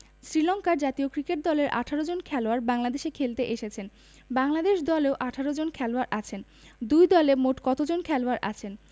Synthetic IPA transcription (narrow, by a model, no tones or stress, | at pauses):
sɾilɔŋkaɾd͡ʑat̪iokɾikeʈ̚d̪ɔleɾʔa̰ʈʰaɾod͡ʑonkʰɛloaɾbaŋlad̪eʃekʰelt̪eʔeʃet͡ɕʰen | baŋlad̪eʃd̪ɔleoʔaʈʰaɾod͡ʑonkʰɛloaɾʔat͡ɕʰen | d̪ujd̪ɔlemoʈkɔt̪od͡ʑonkʰɛloaɾʔa̰t͡ɕʰen